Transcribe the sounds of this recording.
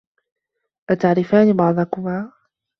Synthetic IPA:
ʔat̪aʕɾɪfaːnibɑʕd̪ˤɑkʊmaː

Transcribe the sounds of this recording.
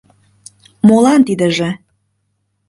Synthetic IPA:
molɑnt̪id̪ə̆ʒĕ

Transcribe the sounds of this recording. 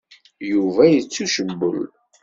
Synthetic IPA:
juvæjət͡sːuʃəbːə̰l

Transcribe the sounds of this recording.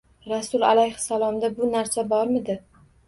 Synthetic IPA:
ɾasʊlˠa̰lajhsalˠɒmd̪abʊnaɾsabɒɾmɪd̪ɪ

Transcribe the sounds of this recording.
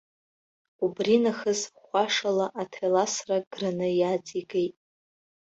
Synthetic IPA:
ubrinaχəzχʷaʂalaʔatʰelasraɡ̥ranɨjat͡sʼiɡejtʼ

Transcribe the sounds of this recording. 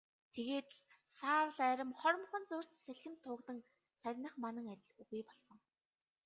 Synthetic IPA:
t̪ʰeɣeːt̪ | saːrɮæːɾʲɪ̆mχɔɾmχə̆nt͡sʊːr̥ʲt̪sæɮxɘ̆nt̪ʰːʊːkt̪ə̆ŋ | sæɾʲnə̆χmanə̆ŋæt̪ʲɪ̆ɮuɣujpɔɮsɞ̆ŋ

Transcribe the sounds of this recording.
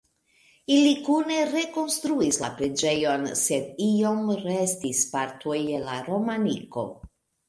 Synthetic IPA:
ilikune̞ɾe̞ko̞nst̪ɾuislapɾe̞d͡ʒe̞jo̞nse̞dio̞mɾestispaɾt̪ʰojelaɾo̞maniko̞̰

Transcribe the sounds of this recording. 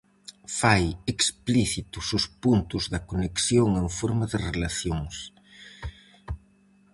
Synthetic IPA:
fajekspliθit̪ʊsʊspunt̪ʊzðɐkoneksjoŋẽŋfoɾmɐðɪrelaθjoŋs

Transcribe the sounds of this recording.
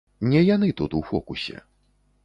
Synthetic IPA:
nʲɛjanɨt̪ut̪uwfɔkusʲɛ̰

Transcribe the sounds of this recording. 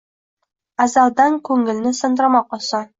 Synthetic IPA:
ɑzɑlˠd̪ɑŋkʰɵŋɪ̆lnɘsɤ̆nd̪ɾɑmɑqosɑ

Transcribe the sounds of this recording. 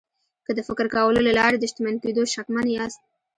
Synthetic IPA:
kəd̪əfɪkɾkɑwəlolalɑɾed̪əʃt̪ɪmanked̪oʃakmanjɑst̪̚

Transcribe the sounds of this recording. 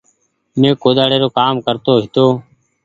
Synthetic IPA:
mẽːkoːd̪aːɽeːɾoːkaːmkəɾt̪oːɦɪt̪oː

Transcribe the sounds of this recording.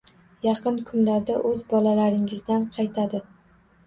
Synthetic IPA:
jɑqʰɨnkʰʊnlaɾd̪aʔɵzbɒlalaɾɪŋɪzd̪anqʰɑjt̪ʰad̪ɪ

